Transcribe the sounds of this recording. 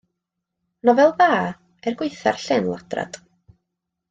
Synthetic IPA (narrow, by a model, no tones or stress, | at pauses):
nɔvɛlˠðaː | ɛrɡwɪɨjθarɬɪnlˠad̥ra̰d̥